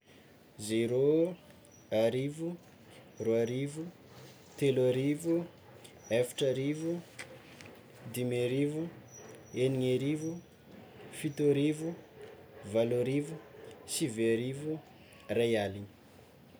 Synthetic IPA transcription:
zeɾo | aɾivu | roaɾivu | t̪elaɾivu | efi̥ʈ͡ʂaɾivu | d̪imeɾivu | eniŋeɾivu | fit̪oɾivu | valoɾivusiveaɾivu | rajali̥

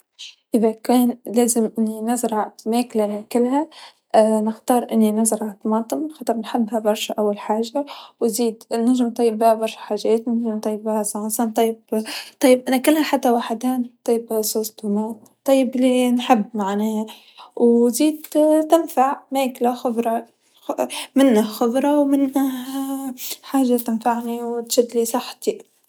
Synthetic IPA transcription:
ʔɪðakeːnleːzɪmʔɪnːinazɾˤɑmeːklakɪlːɦa | nɪxt̪ɑːɾˤʔɪnːinazɾˤɑat̪mɑːt̪ˤɨmxɑt̪ˤɨɾˤnħɪbːhabɑɾˤʃʔawːalħaːʒawziːd̪naʒmt̪ˤɑjːɪbbiːhabɑɾˤʃḁħaːʒeːt̪naʒmt̪ˤɑjːɪbbihasˤɑʕsˤɑnt̪ˤɑjːɪbt̪ˤɑjːɪbʔɪnakɪlːaħat̪ːawaħd̪aːnt̪ˤːɑjːbsˤuːsˤd̪umeːn | t̪ˤɑjːɪblinħɪbːmaʕneː | wziːd̪t̪ɪnfaʕmeːklaxʊbɾˤɑ | mɪnːahxʊbɾˤɑwmɪnːah | ħaːʒat̪ɪnfaʕniwt̪ʃad̪lisˤɑħt̪i

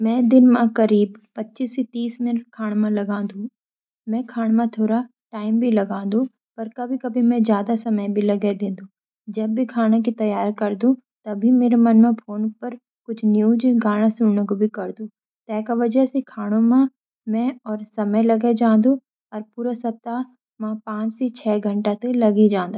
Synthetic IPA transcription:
mɛ̃ːd̪ɪnmãkɐɾiːbpɐtːʃisit̪iːsmɪnəʈkʰaːɽ̃mãlɐɡãːd̪ũ | mɛ̃ːkʰaːɽ̃mãt̪ʰoːɾa | ʈaːɪmbʱilɐɡãːd̪ũ | pɐɾkɐbʱikɐbʱimɛ̃zjaːd̪asɐməjbʱilɐɡed̪ẽːd̪ũː | d͡ʒɐbːʱikʰaːnak̬it̪ɐjaːɾkɐɾd̪ũ | t̪ɐbʱimeːɾemɐnmẽpʰoːnpɐɾ | kʊt͡ʃʰnjuːd͡ʒɡaːɽ̃asʊɽnẽkobʱikɐɾd̪ũː | t̪ɛːkaʋɐd͡ʒəsekʰaːɽ̃õmã | mɛ̃ɔːɾsɐməjlɐɡed͡ʒãːd̪u | ɔːɾpuːɾasɐp̚t̪a | mãːpãːt͡ʃsit͡ʃʰɛːɡʱɐ̃ɳʈat̪elɐɡid͡ʒãːnd̪a

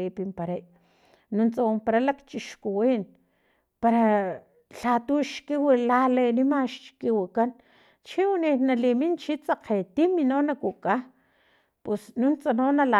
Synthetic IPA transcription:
ipimpaɾaj | nunt͡sawompaɾalakt͡ʃiʃkuwin | paɾa | ɬat̪uʃkiwilalenimaʃt͡ʃkiwikan | t͡ʃiwninalimint͡ʃit͡saqet̪iminonakuka | pusnunt͡sanonala

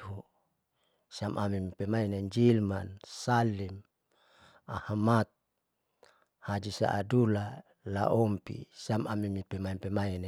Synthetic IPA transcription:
hu | siamʔamimipɛmaineɲd͡ʒilmansalim | a̰hmat̪̚ | had͡ʒisa̰ʔadula | la̰ʔɔmpḭsiamamimipɛmaimpɛmaine

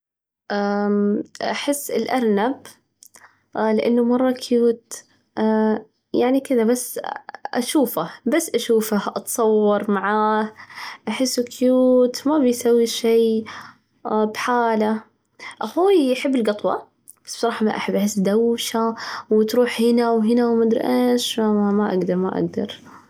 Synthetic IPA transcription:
ʔa | ʔaħɪsːɪlʔɑɾˤnab | lɪʔa̰nːʊmɑrˤːɑkʰjuːt̪ | jaʕnikɪðabasːʔa̰ʃuːfahbasːʔaʃuːfahʔɑt̪sˤɑwːɑɾˤmaʕaːhʔaħɪsːukjuːt̪mabɪjsawːiʃeː | bħaːla | ʔaxuːjaħɪbːɪlɡɑt̪ˤwɑ̰ | b̥ḁsːb̥sˤɑɾˤɑːħmaʔaħɪbːʔaħɪsːd̪awʃawɪt̪ɾˤuːħhɪnawɦɪnawmad̪ɾʔaʃamamaʔa̰ɡd̪ɑɾˤma̰ʔa̰ɡd̪ɑ̰ɾˤ

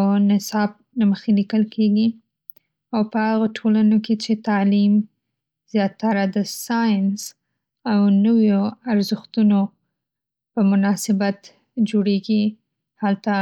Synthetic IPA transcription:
wnɪsɑb̚naməxelikəlkʰeɡi | awpəhaɣoʈʰolanoket͡ʃet̪ɑlim | z̥jɑt̪ːaɾad̪əsɑjns | awnəwjoaɾzəxt̪uno | pəmʊnɑsɪbat̪ | d͡ʒoɽeɡi | halt̪a

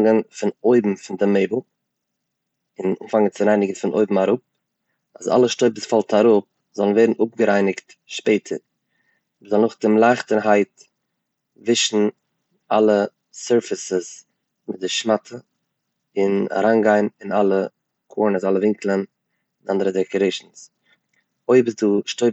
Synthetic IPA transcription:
ŋənfɪnoʏbm̩fɪndɪmeɪbl̩ˠ | ɪnṵmfaŋənt͡sɪɾaɪnɪɡn̩fɪnʔo̰ɪbm̩aɾʊp̚ | aza̰lˠəʃtoɪpəsfalˠtaɾʊp̚ | zɔlˠən̩veɪdn̩ʔʊp̚ɡəɾaɪnɪkt | ʃpeɪtʰəɾ | vizɔlˠnʊχdɪmlˠaɪχtəɾɦaɪt | vɪʃn̩ | alˠə | sɛɾfɪsəs | mɪt̚dɪʃmatʰə | ɪna̰ɾanɡaɪnɪnalˠə | kʰɔːɹnəsalˠəvɪŋklˠən | ɪnandəɾədɪkəɾeɪʃn̩s | oɪbɪsduʃtoɪ

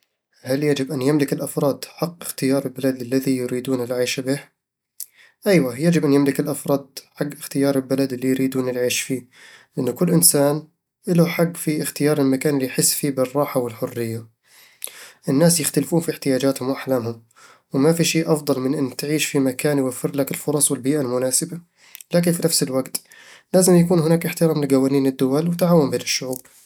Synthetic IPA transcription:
haljad͡ʒɪbʔanjamlɪkɪlʔafɾˤɑːd̪ħɑqːʔɪxt̪ɪjɑːɾˤɪlbalad̪ɪlːaðijʊɾiːd̪uːnɪlʕiːʃabɪh | ʔajwajad͡ʒɪbʔanjamlɪkɪlʔafɾˤɑːd̪̚ħaɡːɪxt̪ɪjɑːɾˤɪlbalad̪ɪlːijɾiːd̪uːnɪlʕiːʃfiː | lʔɪnːʊkʊlːʔɪnsaːn | ʔɪlaħaɡːfiɪxt̪ɪjɑːɾˤɪlmakaːnɪlːijħɪsːfiːbɪrˤːɑːħawɪlħʊrːɪjːa | ʔɪnːaːsjɪxt̪alfuːnfiɪħt̪ɪjaːd͡ʒaːt̪hʊmwʔaħlaːmhʊm | wɪmafiʃeːʔɑfd̪ˤɑlmɪnʔɪnːt̪ʕiːʃfimakaːnjwafːɪɾlakɪlfʊɾˤɑsˤwɪlbiːʔalmʊnaːsɪba | laːk̬ɪnfinafsɪlwaɡt̪ | laːzɪmjakuːnhɪnaːkʔɪħt̪ɪɾaːmlɪɡawaːniːnɪd̪ːʊwalwɪt̪ʕaːwɪmbeːnɪʃːʊʕuːb̚

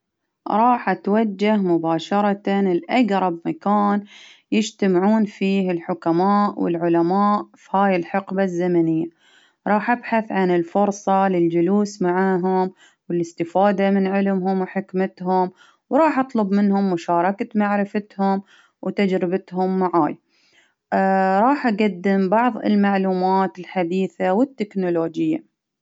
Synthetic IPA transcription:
ɾˤɑːħʔat̪wad͡ʒːahmʊbaːʃɑɾˤɑt̪anɪlʔaɡɾˤɑbmakaːnjɪd͡ʒt̪amʕuːnfiːhɪlħʊkamaːʔwɪ̰lʕʊlamaːʔfihaːjɪlħɪqbazːamanɪjːa | ɾˤɑːħʔabħaθʕanɪlfʊɾˤsˤɑlɪld͡ʒʊluːsmaʕaːɦʊm | wɪlɪst̪ɪfaːd̪amɪnʕɪlmɦʊmwħɪkmɪt̪ɦʊm | wɾˤɑːħʔɑt̪ˤlʊbmɪnhʊmːʊʃɑːɾˤɑkat̪maʕɾɪfat̪hʊm | wt̪ad͡ʒɾɪbɪt̪hʊmːaʕaːj | ɾˤɑːħʔaɡad̪ːɪmbɑʕðˤɪ̰lmaʕluːmaːt̪ɪlħad̪iːθawɪt̪ːɪknʊloːd͡ʒɪjːa̰

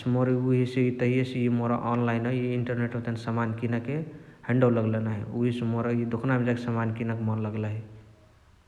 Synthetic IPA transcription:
smoɾiuɦiseit̪əɦijesejimoɾa̰ʔɔnlajnɦəjiiɳʈəɾneʈt̪ensəmankinakehẽɳɖawləɡlenaɦḭuɦisemoɾajid̪ʱukʰnamed͡ʒakesəmankinəkmɔnləɡlaɦi

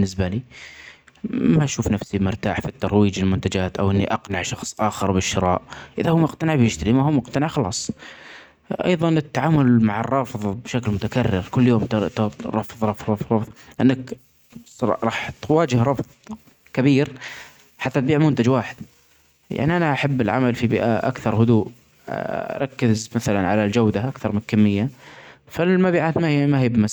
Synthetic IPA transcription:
bnːɪsbaliː | maʃuːfnafsimʊɾt̪aːħfit̪ːɑɾˤwiːd͡ʒɪlmʊnt̪ad͡ʒaːt̪ʔa̰wʔɪnːiʔɑqnɪʕʃɑxsˤʔaːxɑɾˤbɪʃːɪɾˤɑ̰ːʔʔɪðahʊːmʊqt̪anɪʕbjɪʃt̪aɾimahuːmʊqt̪anɪʕxɑlɑ̰ːsˤ | ʔɑ̰jðˤɑnɪt̪ːaʕaːmʊlmaʕɑ̰rˤːɑːfðˤbɪʃaklmʊt̪akarːɪɾkʊlːjoːmt̪ɾˤɑfːɨðˤɾˤɑfɾˤɑfˤɑfðˤlʔɪnːakː | ɾˤɑːħt̪waːd͡ʒɪhɾˤɑfðˤ | kabiːɾ | ħat̪ːat̪̚biːʕmʊnt̪ad͡ʒwaːħɪd̪̥̚ | ja̰ʕniʔanaʔaħabːɪlʕa̰malfibɪ̰ːʔa̰ʔa̰kθɑɾˤɦʊd̪uːʔ | ɾˤɑkːɪzmaθalanʕalald͡ʒawd̪aʔakθɑɾˤmɪnkamːɪjːafalmaːbiːʕaːt̪mahimahiːbɪmas

